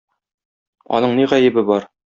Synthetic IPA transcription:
ɒ̰nɤɴniʁæjɘ̆bɘbɒɾ

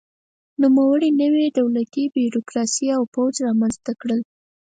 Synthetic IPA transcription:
numawəɽinəweɖ̪awlat̪ibjuɾokɾɑsiawpawd͡ʒɾɑmanzt̪akɽəl

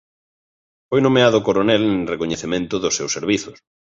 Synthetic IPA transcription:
fojnõmeaðʊkoɾonɛlrekoɲeθemẽnt̪ʊðʊsːewseɾβiθʊs

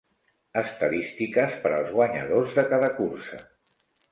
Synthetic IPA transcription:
əst̪əðist̪ikəspəɾəlˠzɣwəɲə̰ðozðəkaðəkursə̰

